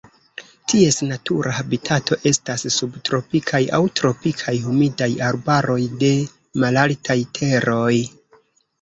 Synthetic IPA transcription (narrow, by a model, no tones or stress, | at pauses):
tʰie̞snatuɾahabitʰatʰo̞ʔe̞stassubtɾo̞pikʰaja̰wtɾo̞pikʰajhumidajaɾbaɾo̞jde̞ | malaltʰajtʰe̞ɾo̞j